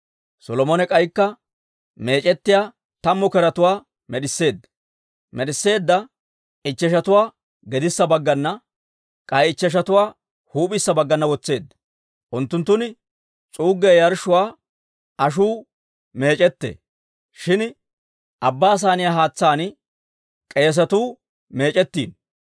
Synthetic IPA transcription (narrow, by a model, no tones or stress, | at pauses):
sɔlɔmɔnɛkʼɐjkːɐ | me̞ːt͡ʃʼɛt̪ːɪjaː | t̪ɐmːɔkɛɾɐt̪ʊwaː | mɛɗɪsːe̞ːd̪ːɐ̥ | mɛɗɪsːe̞ːd̪ːɐ | ɪt͡ʃːɛʃ̬ɐt̪ʊwaː | ɡɛd̪ɪsːɐbɐɡːɐnːɐ | kʼɐjɪt͡ʃːɛʃ̬ɐt̪ʊwaː | huːpʼɪsːɐbɐɡːɐnːɐwɔt͡sːe̞ːd̪ːɐ̥ | ʔʊnt̪ːʊnt̪ːʊnɪ | t͡sʼuːɡːejɐɾʃʊwaː | ɐʃ̬uː | me̞ːt͡ʃʼɛt̪ːḛː | ʃɪn | ʔɐbːaːs̬aːnɪjaːɦaːt͡sːaːn | kʼe̞ːs̬ɐt̪uː | me̞ːt͡ʃʼɛt̪ːḭːn